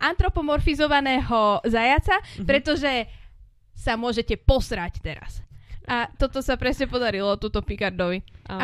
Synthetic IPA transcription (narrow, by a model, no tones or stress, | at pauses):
ʔant̪ɾɔpɔmɔɾfizɔʋanɛːɦɔzajat͡sapɾɛt̪ɔʒɛ | samʊɔʒɛcɛpɔsɾact̪ɛɾa̰sʔat̪ɔt̪ɔsapɾɛsɲɛpɔd̪aɾilɔt̪uːt̪ɔpikaɾd̪ɔʋi